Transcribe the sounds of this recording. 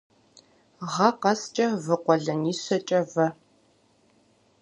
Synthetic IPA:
ʁɐqɐst͡ʃʼɐvɨqʷɔɮɐniːɕɐt͡ʃʼɐvɐ

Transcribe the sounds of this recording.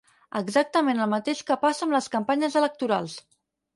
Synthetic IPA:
əɡzak̚t̪əmenəlˠmət̪eʃkəpasəːmləskəmpaɲəzələk̚t̪uɾalˠs

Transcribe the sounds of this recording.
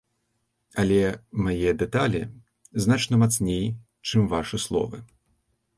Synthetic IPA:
ɐlʲɛmajɛd̪ɛt̪alʲḭ | znat͡ʂnɐmat̪snʲej | t͡ʂɨmvaʂɨslˠɔ̰vɨ

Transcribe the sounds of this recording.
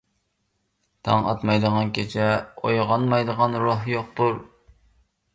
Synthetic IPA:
t̪ʰɑŋɑ̰t̪mɑjd̪əʁɑnkʲʰet͡ʃʰɛo̰jʁɑnmɑjd̪əʁɑnɾoɦjoq̚t̪uɾ

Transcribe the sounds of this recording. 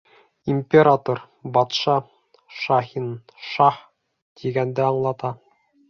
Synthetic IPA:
imʲpʲeɾat̪oɾ | bɑt̪ʃɑ | ʃɑhin | ʃɑχ | t̪ʰiɡænd̪ɘɑɴlˠɑt̪ɑ

